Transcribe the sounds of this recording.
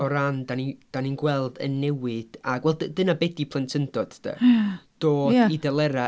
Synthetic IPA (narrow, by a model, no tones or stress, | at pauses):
ɔɾandanid̥aninɡwɛlˠdə̰nːɛwɨd̥aɡwɛlˠddənabɛdipʰlˠəntʰəndɔd̥d̥ə̰d̥oːjdaidɛlˠɛɾa